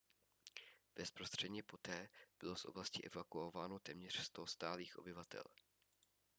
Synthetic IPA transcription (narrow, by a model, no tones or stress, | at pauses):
b̥ɛspɾo̞st̪r̝̥ɛdɲɛpo̞t̪ɛːb̥ɪlo̞sʔoblascɪʔɛvakuovaːno̞t̪ɛːmɲɛr̝̥st̪ost̪aːliːxʔo̞̰bɪvat̪ʰɛ̰l